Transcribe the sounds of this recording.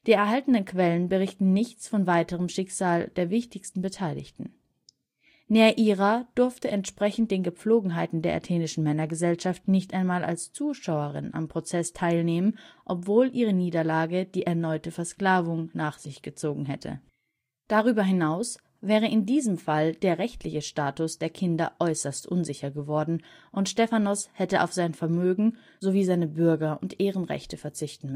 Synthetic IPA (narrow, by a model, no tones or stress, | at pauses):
d̥iːɛɐɦaltənənkv̥ɛlənbəʁ̞ɪçtn̩nɪçt͡sfɔnvaɪtəʁ̞əmʃɪkz̥aːld̥eːɐvɪçtɪçstn̩bətʰaɪlɪ̰çtn̩ | neaʔiːʁad̥ʊɐftəʔɛntʃpʁ̥ɛçn̩t̚d̥eːnɡəp͡floːɡŋ̩ɦaɪtn̩deːɐʔa̰tʰeːnɪʃn̩mɛnɐɡəzɛlʃaftnɪçtʔaɪnmaːlʔa̰lst͡suːʃaʊəʁɪ̰na̰mpʁ̥ot͡sɛstʰaɪlneːmənʔɔpv̥oːlʔiːʁəniːdɐlaːɡəd̥iːʔɛɐnɔʏtəfɛɐskl̥aːvʊŋnaːχz̥ɪçɡ̥ət͡soːɡŋ̩ɦɛtʰə̰ | d̥aʁyːbɐɦɪnaʊs | vɛːʁ̞əɪndiːzəmfald̥eːɐʁɛçtʰlɪçəʃtaːtʊsd̥eːɐkʰɪndɐʔɔʏsɐstʔʊnzɪçɐɡəvɔɐdn̩ʔʊntʃtɛfanɔshɛtəʔa̰ʊfz̥aɪnfɛɐmøːɡŋ̩ | zoviːzaɪnəbʏɐɡɐʔʊntʔeːʁənʁɛ̰çtʰəfɛɐt͡sɪçtn̩ms